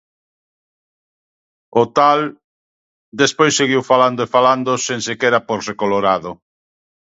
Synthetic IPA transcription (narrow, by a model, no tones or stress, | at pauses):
ot̪al | d̪espojsːeɣiwfaland̪oefaland̪oseŋsekeɾapoɾrekoloɾaðo